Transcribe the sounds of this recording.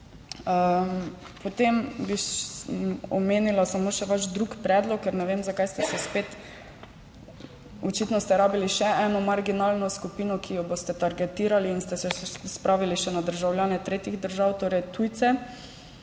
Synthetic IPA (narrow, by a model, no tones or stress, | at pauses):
ə | pɔt̪embiʃ | ɔ̰meːnilasamoːʃɛʋaʃd̪ɾukpɾɛːd̪lɔkːɛɾnɛʋemzakajst̪ɛsɛspeːt̪ | ɔt͡ʃit̪nɔst̪ɛɾaːbiliʃɛɛːnɔmaɾɡinalnɔskupiːnɔkijɔboːst̪ɛt̪aɾɡɛt̪iːɾaliːnst̪ɛsɛspɾaːʋiliʃɛnad̪əɾʒawljaːnɛt̪ɾeːt̪iɣd̪əɾʒawt̪oːɾɛjt̪ujt̪sɛ